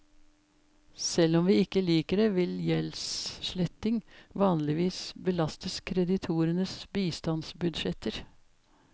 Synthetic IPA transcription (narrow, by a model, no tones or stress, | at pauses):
sɛlɔmʋiːɪkːəliːkəɾɛʋɪljɛlsʃɭɛt̪ɪŋʋɑːnlɪʋiːsbəlɑst̪əskʰɾɛd̪ɪt̪ʰuːɾənəsbiːst̪ɑnsbʉd̪ʃɛt̪əɾ